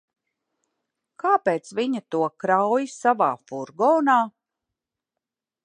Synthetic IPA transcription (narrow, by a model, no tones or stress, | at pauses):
kaːpeːt̪sviɲat̪uɔkɾawjisavaːfuɾɡɔːnaː